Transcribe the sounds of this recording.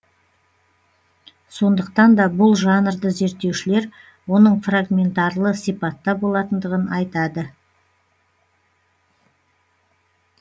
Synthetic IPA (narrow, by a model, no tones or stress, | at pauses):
so̞nd̪əq̚t̪ɑnd̪ɑbʊlˠʒɑnəɾd̪əze̞ɾt̪ːe̞wʃɪle̞ɾ | wo̞nəɴfraɡmʲe̞nt̪ɑrlˠəsijpɑt̪ːɑbo̞lˠɑt̪ənd̪əʁənɑjt̪ɑd̪ə